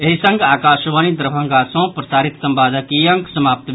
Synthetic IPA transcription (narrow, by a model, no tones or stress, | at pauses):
eɦisɐŋɡaːkaːʃʋanid̪ɐɾɐbʱɐ̃ŋɡaːsõːpɾɐsaːɾit̪sɐmbaːd̪akijɐ̃ŋksɐmaːp̚t̪